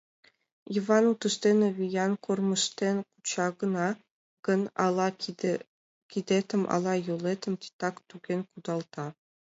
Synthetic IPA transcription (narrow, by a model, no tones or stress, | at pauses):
ivɑnut̪ɤ̆ʂt̪ʲenovʲijɑnkormɤ̆ʂt̪ʲenʲku̥t͡ɕɑɡɤ̆nɑ | ɡ̥ɤ̆nɑɑ | kʲid̪ʲet̪ʲɘ̆mʔɑ̰lˠɑjolˠet̪ʲɘ̆mʲt̪ʲi̥t̪ɑkt̪uɡʲenʲkud̪ɑlˠt̪ɑ